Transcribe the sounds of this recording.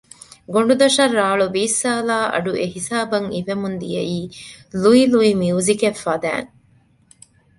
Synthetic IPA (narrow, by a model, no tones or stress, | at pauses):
ɡoɳ̆ɖud̪ɐʃɐrːaːɭuʋiːsːaːlaːʔɐ̰ɖuʔeɦisaːbɐŋiʋemund̪ijɐiːluiluimiuːzikefːɐd̪æ̰ːŋ